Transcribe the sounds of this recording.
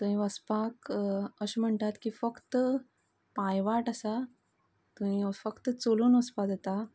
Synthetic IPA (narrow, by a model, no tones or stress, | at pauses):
t̪ũɦĩʋəspakəɕm̤əɳt̪at̪kiːfəkt̪ə | pajʋaʈəsa | t̪uɦĩfəkt̪ət͡soluːnʋəspad̪et̪a